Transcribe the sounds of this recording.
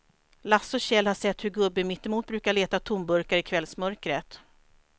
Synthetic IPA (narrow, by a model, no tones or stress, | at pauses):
lasɔɕɛlːhaʂɛt̪ːhɵɡɵbːɪmɪt̪ːɛmuːt̪̚bɾʉ̟ːkaɭeːt̪at̪ʰʊmbɵɾkaɾɪkʰvɛlsmœɾkɾət̪